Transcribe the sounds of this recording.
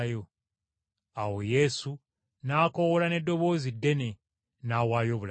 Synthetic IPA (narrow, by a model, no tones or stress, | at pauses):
jo̞ | awo̞je̞su | naːko̞wolane̞dːo̞βo̞ːzidːe̞ne̞ | naːwaːjo̞ːβul